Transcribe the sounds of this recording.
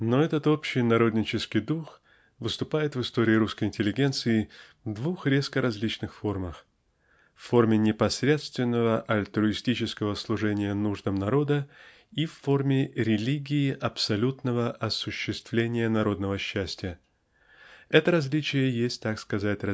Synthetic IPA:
no̞ɛt̪ət̪o̞pɕːɪjnɐɾo̞d̪ʲnʲɪt͡ɕɪskʲɪjd̪ux | vɨst̪ʊpajɪt̪vɨst̪oɾʲɪːɾuskəjɪnʲtʲɪlʲɪɡʲe̞nt̪sɨɪ | vd̪vuxɾʲeskəɾɐzʲlʲit͡ɕnɨxfo̞rməx | fːo̞rmʲɪnʲɪpɐsɾʲe̞t̪st̪vʲɪnːəvəʔɐlʲt̪ɾʊɪsʲtʲit͡ɕɪskəvəslˠʊʐɛnʲɪjənuʐd̪əmnɐɾo̞d̪ə | ifːo̞rmʲɪɾʲɪlʲiɡʲɪɪʔɐpsɐlʲut̪nəvəʔɐsʊɕːɪst̪vlʲenʲɪjənɐɾo̞d̪nəvəɕːæsʲtʲɪjə | ɛt̪əɾɐzʲlʲit͡ɕɪjəjesʲt̚ʲt̪akskɐzatʲɐ

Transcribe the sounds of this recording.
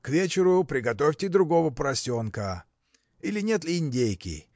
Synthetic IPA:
kvʲet͡ɕɪɾʊpɾʲɪɡɐt̪o̞fʲtʲɪd̪ɾʊɡo̞vəpɾɐsʲo̞nkə | ilʲɪnʲet̪lʲɪɪnʲdʲejkʲɪ̰

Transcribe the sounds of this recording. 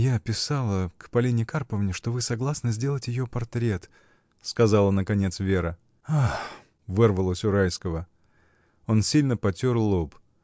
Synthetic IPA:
japʲɪsalˠəkpɐlʲinʲɪkarpəvnʲɪʂt̪o̞vɨsɐɡlˠasnəzʲdʲe̞lˠətʲjɪjo̞pɐrt̪ɾʲe̞t̪ | skɐzɑlˠənəkɐnʲe̞t̪svʲe̞ɾə | ax | vɨrvəlˠəsʲʊɾajskəvə | o̞nsʲilʲnəpɐtʲorlˠop

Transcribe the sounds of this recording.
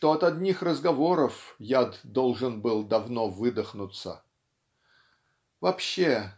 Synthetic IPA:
ʂt̪oɐt̪ɐd̪ʲnʲixrəzɡɐvo̞ɾəfjad̪d̪olˠʐɨnbɨlˠd̪ɐvno̞vɨd̪əxnʊt̪sə̰ | vɐpɕːe

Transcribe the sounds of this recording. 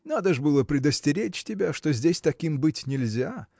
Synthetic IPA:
nad̪əʐbɨlˠəpɾʲɪd̪əsʲtʲɪɾʲet͡ɕtʲɪbʲaʂt̪ozʲdʲesʲt̪ɐkʲimbɨtʲnʲɪlʲzʲa

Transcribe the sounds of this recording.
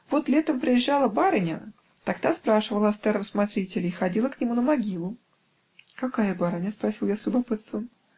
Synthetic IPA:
vo̞t̪lʲet̪əmpɾʲɪjɪʒːalˠəbaɾənʲə̰ | t̪aɡ̚d̪aspɾaʂɨvəlˠəɐst̪ɛɾəmsmat̪ɾʲitʲɪlʲɪːxɐdʲilˠəknʲɪmunəmɐɡʲilˠʊ | kɐkajəbaɾənʲəspɾɐsʲilˠjasʲlʲʊbɐpɨt̪st̪vəm

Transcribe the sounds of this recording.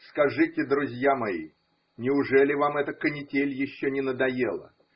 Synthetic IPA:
skɐʐɨtʲɪd̪ɾʊzʲjamɐḭ | nʲɪʊʐɛlʲɪvamɛt̪əkənʲɪtʲelʲjɪɕːonʲɪnəd̪ɐjelˠə̰

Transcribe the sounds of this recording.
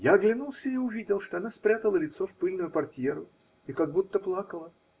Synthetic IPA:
jaːɡlʲɪnulˠsʲəiʊvʲidʲɪlˠʂt̪o̞ɐnaspɾʲat̪əlˠəlʲɪt̪so̞fpɨlʲnʊjʊpɐrtʲjeɾʊ | ikaɡ̚but̪ːəplˠakəlˠə

